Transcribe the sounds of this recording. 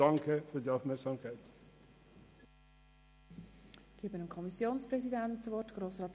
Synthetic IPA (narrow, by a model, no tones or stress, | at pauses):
ɑŋkʰəfyːdiːaʊfmɛɐksɑːmkʰæɪt̪ | ɡ̥eːbənəmkʰɔmisjoːnspɾɛsidæntt͡sʋɔrtɡ̥ɾoːsɾɑːt̪